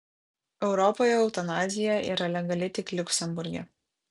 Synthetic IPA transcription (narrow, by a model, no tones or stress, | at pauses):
ɛʊɾɔpoːjɛɔʊt̪ɐnɑːzʲɪjɛʔḭːɾɐlʲɛɡɐlʲɪt̪ʲɪklʲʊkʲsʲɛmbʊɾʲɡʲɛ̰